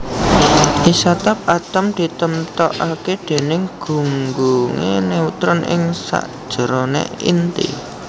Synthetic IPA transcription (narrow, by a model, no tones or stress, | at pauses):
ʔisat̪ap̚at̪əmd̪̥i̤t̪əmt̪ɔʔaked̪̥e̤nɪŋɡ̥ṳŋɡuŋḛneut̪ɾʊnʔɪ̰ŋsa̰ʔd̥ʒ̥ə̤ɾɔnḛḭnt̪ḭ